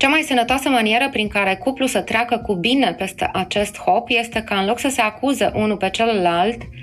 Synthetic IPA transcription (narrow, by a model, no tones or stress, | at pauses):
t͡ʃamajsənət̪oasəmanie̞ɾəpɾiŋkaɾe̞kuplusət̪ɾʲeakəkubine̞lpe̞st̪e̞ʔat͡ʃe̞st̪ho̞pje̞st̪e̞kaɨnlo̞ksəse̞akuzeʔunupe̞t͡ʃellalt̪